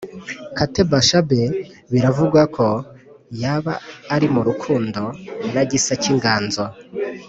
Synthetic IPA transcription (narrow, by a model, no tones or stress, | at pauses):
katebaʃabe | βiɾavuɡwakʰo̞ | jaːβaːɾimuɾukʰuːndo̞naɟisaciŋɡaːnza